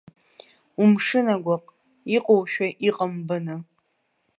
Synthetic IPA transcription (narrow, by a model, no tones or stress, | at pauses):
umʂɨnaɡʷaqʼ | iqʼowʃᶣaʔiqʼəmbɨnɨ